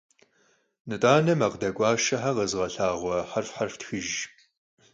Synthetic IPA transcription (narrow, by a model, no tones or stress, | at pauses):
nɨtʼaːnɐmɐqdɐkʷʼɑːʃɐħaqɐzʁɐɬaːʁʷɔħarfħarftxɨʒ